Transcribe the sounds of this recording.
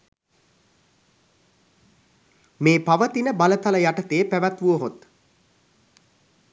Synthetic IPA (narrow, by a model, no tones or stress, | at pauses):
meːpaʋət̪inəbalət̪aləjaʈət̪eːpæʋæt̪ʋuəɦot̪